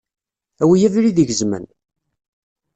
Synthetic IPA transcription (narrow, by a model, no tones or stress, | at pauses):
æwijævɾiðiʝəzmə̰n